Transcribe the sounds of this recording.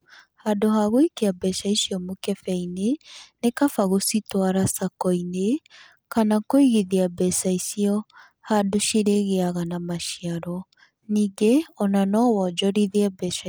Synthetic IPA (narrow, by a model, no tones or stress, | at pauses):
hadoɦaɣoikeabɛʃaisiɔmokɛfɛinenekafaɣositwaɾasakɔine | kanakoiɣiðiabɛsaisiɔ | hadoʃiɾeɣeaɣanamaʃiaɾɔ | niːɡeɔnanɔwɔd͡ʒɔɾiðiɛbɛʃa